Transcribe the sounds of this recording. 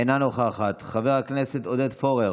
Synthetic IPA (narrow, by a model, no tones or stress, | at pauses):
enanoχaːχat̪χave̞ʁhakneset̪o̞d̪ed̪fo̞ʁe